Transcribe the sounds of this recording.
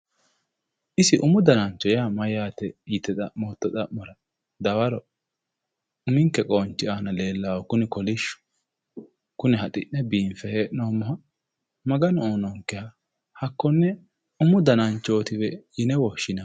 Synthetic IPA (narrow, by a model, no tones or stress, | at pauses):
ʔɪsɪʔʊmʊd̪ɐnɐnt͡ʃːɔjaːmɐjaːt̪ɛjɪt̪ːɛt̪ɐmoːt̪ːɔt̪ʼɐʔːɔɾɐ | d̪ɐwɐɾɔ | ʊmɪŋkɛkʼoːnt͡ʃːɪʔanɐle̞ːlːaːwɔkʊnɪkɔlɪʃʊ̥ | kʊnɛɦɐt̪ʼɪ̰ʔnɛbiːnfɛheːʔnoːmːɔɦɐ | mɐɡɐnɔoːnɔŋkːɛhɐ | hɐkːɔnːɛ | ʊmʊd̪ɐnɐnt͡ʃːoːt̪ɪbɛjɪnɛwɔʃːɪna